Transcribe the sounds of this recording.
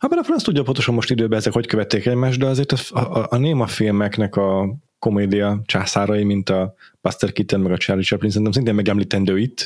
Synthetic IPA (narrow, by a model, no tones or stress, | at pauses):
hɒbɛlɛfɾonst̪uɟːɒpont̪o̞ʃomo̞ʃt̪id̪øːbɛɛzɛkho̞ckø̞vɛt̪ːeːkɛɟmaːʒd̪d̪ɛɒzeːrt̪ɒʔneːmɒfilmɛknɛkɒ | ko̞meːd̪ijɒt͡ʃaːsaːɾɒjimint̪ɒpɒst̪ɛrkit̪ɛnmɛɡɒt͡ʃɛrːit͡ʃɛplinsɛnɛmsineːmɛɡɛmliːt̪ɛnd̪øːit̪ː